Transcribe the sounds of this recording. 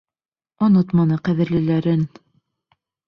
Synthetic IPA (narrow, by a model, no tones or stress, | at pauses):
onot̪mɑnɤqæðɘ̆ɾlɘ̆læɾɘn